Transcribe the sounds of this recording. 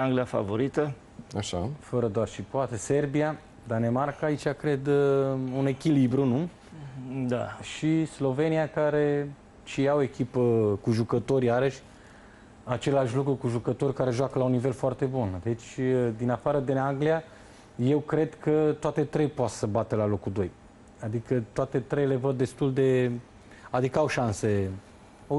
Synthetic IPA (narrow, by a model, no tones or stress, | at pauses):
aŋɡliafa̰vo̞ɾit̪ə | aʃa̰fəɾəd̪oarʃipoat̪e̞se̞rbia | d̪ane̞markaːit͡ʃakɾed̪une̞kʲilibɾunu | d̪a̰ʃislo̞ve̞niakaɾe̞ | t͡ʃijaoe̞kʲipəkuʒukət̪o̞ɾʲjaɾəʃʲ | at͡ʃe̞laʃʲlukɾukuʒukət̪o̞rʲkaɾe̞ʒuwakəlaunːive̞lfoart̪e̞bund̪e̞t͡ʃʲd̪inafaɾəd̪inaŋɡlia | je̞wkɾe̞d̪kət̪oat̪e̞t̪ɾejpoat̪səbat̪elalo̞kud̪o̞j | ad̪ikət̪oat̪e̞t̪ɾejle̞vəd̪ːe̞st̪uld̪e̞ | ad̪ikəawʃanse̞